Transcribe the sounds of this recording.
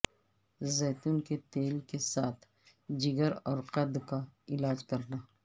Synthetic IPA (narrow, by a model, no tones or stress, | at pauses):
zɛːt̪uːnket̪eːlkesaːt̪ʰ | d͡ʒɪɡəɾɔːɾqɐd̪kaɪlaːd͡ʒkɐɾnaː